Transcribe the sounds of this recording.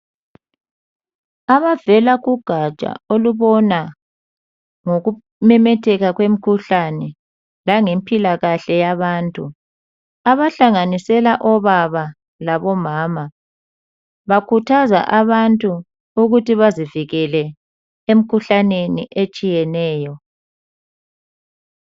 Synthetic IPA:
aβavɛlaɣuɡ̥ʱat͡ʃʼa̰oluβɔna | ŋoɣu | mɛmɛtʰɛɣaɣwem̩kʰuɬanɛ | laŋempʼilaɣaɬɛjaβaːntʼu | aβaɬaŋanisɛlaʔɔβaβa | laβɔmaːma | βakʰutʰaza̰ʔaβantʼu | uɣutiβaziviɣɛlɛ | em̩kʰuɬaneniʔet͡ʃʼijɛnɛːjɔ

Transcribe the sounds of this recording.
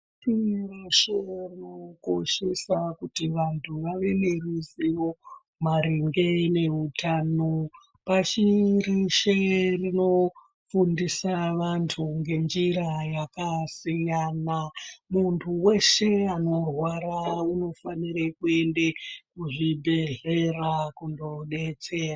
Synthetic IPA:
t͡ʃiriʃerino̞ko̞ʃesakutiʋantʰuʋaʋe̞meriziwo̞ | maɾiŋɡene̞utʰano | pat͡ʃiriʃerino̞ | fundisaʋantʰuŋɡe̞nd͡ʒiɾajakasijanamuntʰuwe̞ʃe̞ano̞rwaɾauno̞faniɾekue̞ndekuʐibʱe̞ɮe̞rakundoɗe̞t͡sera

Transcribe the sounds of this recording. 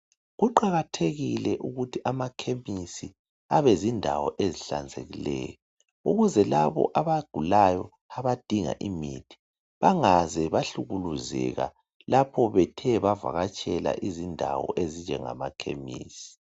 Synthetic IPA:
ɣuǃaɣatʰeɣilɛʔuɣutʰiʔamakʰemisi | aβɛzindʱawɔʔeziɬa̰nd͡zʱeɣilɛ̰ːjɔ | uɣuzɛlaβɔ̰ʔaβaɡ̥ʱulajɔ | aβad̥ʱiŋa̰ʔimitʰi̥ | βaŋazɛβaɬuɣuluzɛɣa̰ | lapʰɔβɛtʰɛβava̰ɣat͡ʃʼɛla̰ʔizindʱawɔ̰ʔezind͡ʒɛŋa̰makʰḛmḭːsi̥

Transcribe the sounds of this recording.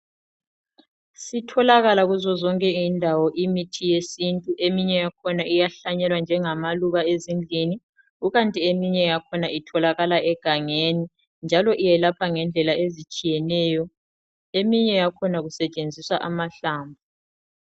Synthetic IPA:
sitʰɔlaɣalaɣuzɔzɔŋkʼɛindʱawɔʔimitʰijesintʼuʔemiɲɛjakʰɔnaʔijaɬaɲɛlwand͡ʒʱɛŋamaluɣaezind͡ɮʱini | uɣantʼiemiɲɛjakʰɔnaitʰɔlaɣalaʔɛɡ̥ʱaŋeni | nd͡ʒʱalɔʔijɛlapʰaŋɛnd͡ɮʱɛlaezit͡ʃʼijɛnɛːjɔ | emiɲɛjakʰɔnaɣusɛt͡ʃʼend͡zʱiswaʔamaɬaːmbʱu

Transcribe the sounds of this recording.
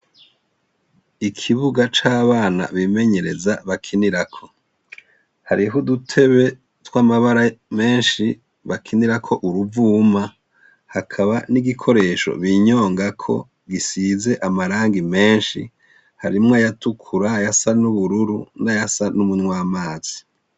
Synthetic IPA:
ikʰiβuɡat͡ʃaːβaːna̰βime̞ɲe̞ɾe̞zaβakʰiniɾakʰo̞ | haɾiɦudutʰe̞βe̞ | twamaβaɾame̞ːnʃi | βakʰiniɾakʰo̞ʔuɾuvuːma | hakʰaβaniɡikʰo̞ɾe̞ːʃo̞̰βiːɲo̞ːŋɡakʰo̞̰ | ɡisize̞ʔamaɾaːŋɡime̞ːnʃḭ | haɾimŋoajatukʰuɾajasanuβuɾuɾunajasanumunŋwaːmaːz̥i

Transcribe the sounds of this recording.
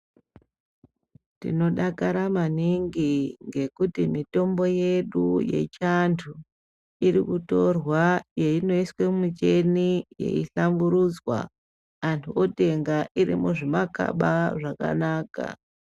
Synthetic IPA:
tḭno̞ɗakaɾamaniŋɡiŋɡe̞kutimito̞mbo̞je̞ɗuje̞̰t͡ʃantʰu | iɾikuto̞rwajeino̞iswemut͡ʃe̞nije̞̰iɬambuɾud͡zwa̰ː | ntʰuo̞te̞ŋɡaʔiɾḭmuʐimaka̰ɓaʐaka̰naːka̰

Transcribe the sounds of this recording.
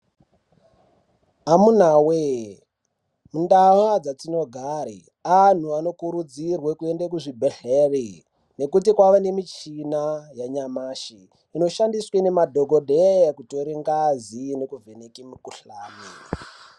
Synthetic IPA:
amun̤awe | mundawad͡zat͡sino̞ɡʱaɾḭ | an̤uano̞kuɾud͡zirwekue̞ndekuʐibʱeɬere | ne̞kut̬ikwaʋane̞mit͡ʃinajaɲamaːʃiː | no̞ʃandiswenemadʱoɡʱodʱejakutoɾiŋɡazinekuvenekimukuɬaːmeː

